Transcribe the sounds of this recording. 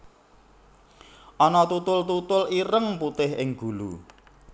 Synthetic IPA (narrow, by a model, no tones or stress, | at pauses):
ʔɔnɔt̪ut̪ʊlt̪ut̪ʊliɾəŋput̪ɪhɪŋɡ̥ulṵ